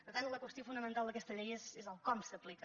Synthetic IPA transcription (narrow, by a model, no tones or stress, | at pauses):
pəɾt̪ant̪ləkwəst̪iofunəmə̃nt̪alˠd̪əkɛst̪əʎɛjezezəlˠkɔmsəplikə